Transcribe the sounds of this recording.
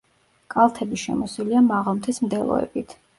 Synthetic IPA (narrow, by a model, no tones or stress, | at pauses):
kʼalˠt̪ʰɛbiʃɛ̰mɔsiliamaʁɔmt̪ʰɛsmd̪ɛlˠɔ̰ɛ̰bit̪ʰ